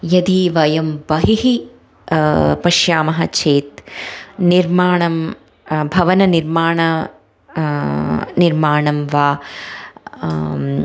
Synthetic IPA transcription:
jɐd̪iʋɐjɐmbɐɦiɦi | pɐʃjaːmɐɦɐt͡ʃʰeːt̪niɾmaːɳɐm | bʱɐʋɐnɐniɾmaːɳɐ | niɾmaːɳɐmʋaː

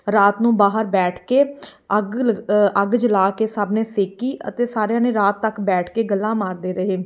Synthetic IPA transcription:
ɾaːt̪nũːbaːɦəɾbɛːʈʰkeːəɡəɡd͡ʒəlaːkeːsaːbneːseːkiːə̰t̪eːsaːɾjãːneːɾaːt̪ːəkbɛːʈʰkeːɡəlːãːmaːɾd̪eːɾəɦeː

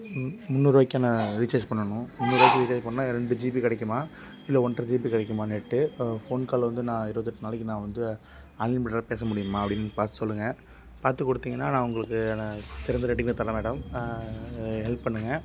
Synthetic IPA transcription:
mʊnːuːɾɯʋaːkːaːnɐɾɪt͡ʃːɐːd͡ʒpɐɳːɐɳʊ̃mʊnːuːɾʋaːkːiɾɪt͡ʃɐːd͡ʒpɐɳːɐnaːɪɾɛɳɖɯd͡ʒiːp̬ikɐɽɛkːɯmaː | ɪlːɐɔɳʈɾɐd͡ʒiːp̬ikɐɽɛkːɯmaːnɛʈːɯfoːnkaːɭʋɐnd̪ɯnãːɪɾɯʋɐt̪ːɯʈːɯnaːlɐkːinãːʋɐnd̪ɯ | aːnlɛɪnmɪʈːɾɐpeːs̬ɐmʊɽɪjɯmaːɐpːɐɽɪnːpaːɾt̪ɯsɔlːɯŋɡɐ | paːɾt̪ɯkːɔɽɯt̪ːiːŋɡɐnːaːnãːʊŋɡɐɭɯkːɯsɪɾɐnd̪ɐɾɛʈːɪkːnɐt̪ɐlːɐmeːɽɐm | ɦɛlppːɐɳːɯŋɡɐ

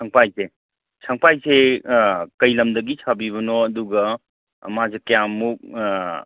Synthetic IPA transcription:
sʰaŋpajse | sʰaŋpajse | kɐjlɐmdɐɡisʰabiβɐnoɐduɡɐ | ɐ̰mazekɐjamːuk̚

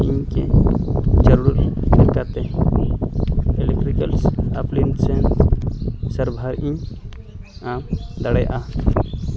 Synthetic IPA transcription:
ĩkḛ̃ | d͡ʒəɾuɾɾiɾkat̪e | elek̚ʈɾikəlsaplinsẽn | səɾbʱəɾĩ | ãmd̪əɽəjʔa

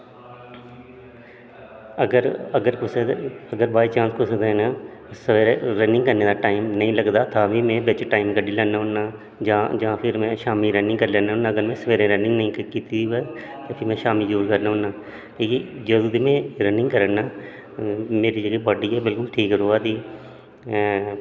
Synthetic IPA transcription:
əɡəɾəɡəɾkʊsəɡəɾbaːiːt͡ʃãːnskʰʊsed̪eːnaːsəʋeːɾeɾənɪ̃ŋkəɾneːd̪aːʈaːimnəĩːləɡd̪aːt̪ʰaːʋiːmɛ̃ːʋɪt͡ʃʈaːɪmkəɖiːlɛːnːaːɦʊnːaː | d͡ʒãːd͡ʒãːpʰɪɾmɛ̃ːʃaːmiːɾənɪ̃ŋɡkəɾlɛːnaːɦʊnːãːəɡəɾmɛ̃ːsəʋeːɾẽːɾənɪ̃ŋɡnəĩːkkiːt̪iːiːʋɛːt̪eːpʰɪmɛ̃ːʃaːmiːd͡ʒəɾuːɾkəɾnaːɦʊnːaː | ʈiːkid͡ʒəd̪ũːd̪iːmɛ̃ːɾənɪ̃ŋɡkəɾənːaː | meːɾiːd͡ʒəɡeːbəːɖiːɛːbɪlkʊlʈʰiːkɾoːaːd̪iː

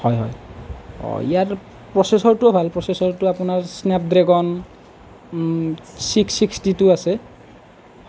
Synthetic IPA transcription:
hɔjɦɔ̰j | ɔ̰ḭjaɹ | pɹɔsesɔɹtʊbʱalpɹɔsesɔɹtʊapʊnaɹsnɛp̚dɹeɡɔn | siksikstitʊasɛ

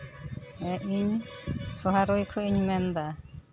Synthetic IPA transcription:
ɛʔiɲsɔɦaɾojkʰuiɲmɛnd̪a

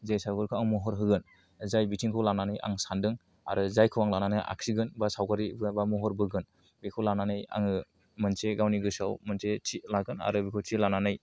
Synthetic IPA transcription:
zajsawkɯɾkʰɔaŋmuɦɔɾɦɯɡɯn | zajbitʰiŋkʰɔwlananɯjʔa̰ŋsandɯŋ | a̰ɾɯzajkʰuwaŋlananɯjʔa̰ksiɡɯnbasawkaɾibbamuɦɔɾbɯɡɯn | bekʰɔwlananɯja̰ŋɯ | mɯnseɡawniɡɯsawmɯnsetʰilaɡɯna̰ɾɯbikʰɔwtʰilananɯj

